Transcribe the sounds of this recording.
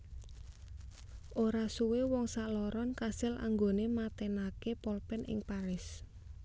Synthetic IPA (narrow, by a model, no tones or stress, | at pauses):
ʔoɾasuwewɔŋsaʔlɔɾɔnkasɪlʔa̰ŋɡonemat̪enakepɔlpɛnʔɪ̰ŋpaɾɪs